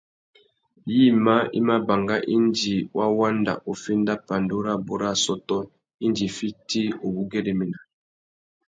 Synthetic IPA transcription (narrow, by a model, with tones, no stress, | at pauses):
ji˦ma˦ḭ˦ma˦ba˨ŋɡa˦ʔi˦nd͡ʒi˨wʔa˦wa˦nda̰˨ʔo˨fi˦nda˦pa˨ndu˦ɾa˦bo˨ɾa˦˨sɔ˦tɔ˦ | i˦nd͡ʒi˨fi˦ti˦o˨bu˦ɡɛ˦ɾe˨mi˨na˨